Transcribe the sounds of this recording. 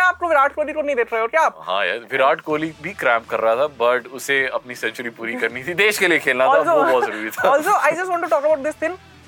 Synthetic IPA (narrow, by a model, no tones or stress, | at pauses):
aːp̚koʋɪɾaːʈ̚koːlikonɐ̃ɦĩd̪eːkʰɾaɦeɔːɾkjaaːpɦã̰ːjɛ̰ʋɪɾaːʈkoːlibʱikɾɛ̃ːmp̚kɐɾːɐɦat̪ʰabɐʈʊseɐpnisɛ̃nt͡ʃəɾipuːɾikɐɾnit̪ʰid̪eːʃkeliekʰeːlnatɔːasoobɔzɐɾuːɾit̪ʰaɔːlsoːʔaɪd͡ʒɐsʈ̬ʋɔ̃ːɳʈuʈɔːkəbaʊʈ̚d̪ɪst̪ʰɪ̃ŋ